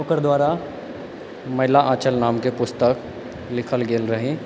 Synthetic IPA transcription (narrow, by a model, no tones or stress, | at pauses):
oːkəɾd̪waːɾa | mɐɦɪlaʔãːt͡ʃəlnaːmkepʊst̪ək | lɪkʰəlɡeːlɾɐɦẽ